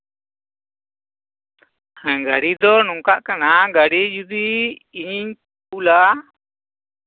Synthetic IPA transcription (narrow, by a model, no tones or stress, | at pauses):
ɡaɽid̪ɔnɔŋkaʔkanaɡaɽid͡ʒud̪iiɲiɲp | uula